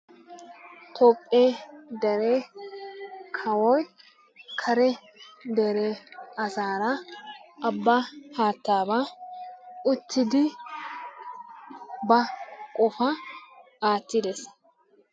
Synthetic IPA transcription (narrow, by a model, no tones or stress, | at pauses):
t̪ʰoːpʼːeːd̪ɛɾeː | kʰɐwɔj | kʰɐɾɛ | d̪ɛɾeɐzaːɾɐʔɐbːaːhaːt̪ːaːba | ʊt̪ːɪd̪ɪ | bɐkʼɔfɐ | aːt̪ːɪd̪ɛs